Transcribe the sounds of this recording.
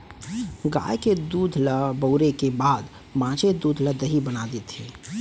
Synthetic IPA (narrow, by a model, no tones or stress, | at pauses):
ɡa̰ːjked̪uːd̪ʱləbəʊɾekebaːd̪ | mãːt͡ʃʰed̪uːd̪ʱləd̪ʱəɦibənad̪it̪i